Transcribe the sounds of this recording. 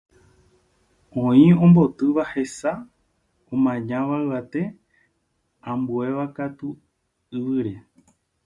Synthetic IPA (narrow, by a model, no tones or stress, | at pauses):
õĩõ̞mbo̞t̪ɨʋahe̞sa | õmãɲãʋaɨʋat̪e̞ | ãmbue̞ʋakat̪u | ɨʋɨɾe̞